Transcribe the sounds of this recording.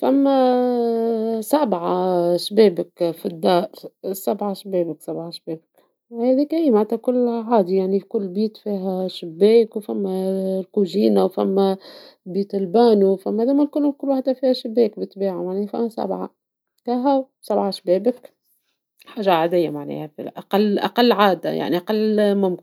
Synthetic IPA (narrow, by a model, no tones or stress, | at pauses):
fæmːæ | sabʕaʃbeːbəkfid̪ːɑːɾˤsabʕaʃbeːbəksabʕaʃbeːbək | hɛːðikæiːmaʕat̪ːækʊlːʕaːd̪ijaʕnifikʊlːbiːt̪fiːɦæʃɪbːeːkwfæmːælkuʒiːnawfæ̰mːæ | biːt̪ɪlbaːnuwfæmːæd̪æːmælkʊlːʊlkʊlːwaħt̪ːæfiːhæʃɪbːɛːkbət̪ːbiːʕimaʕnɛːhfæ̰mːæsa̰bʕa̰ | kæɦæw | sabʕaʃbɛːbək | ħaːʒaʕad̪ɪjːamaʕnɛ̰ːhæfḭʔaqalːʔa̰qɑlːʕaːd̪a̰ja̰ʕniʔɑqɑlːmʊmkɪn